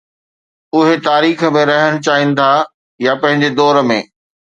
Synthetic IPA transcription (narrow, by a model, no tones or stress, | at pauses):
ʊɦet̪aːɾiːxəmẽɾɐɦəɽ̃t͡ɕaːɦĩnɪ̆t̪ʰa | japɐ̃ɦɪ̃ɲd͡ʑed̪ɔːɾəmḛ̃ː